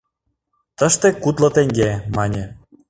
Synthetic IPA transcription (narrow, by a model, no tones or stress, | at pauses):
t̪ə̆ʃt̪ekut̪lɤ̆t̪eŋɡemɑnʲe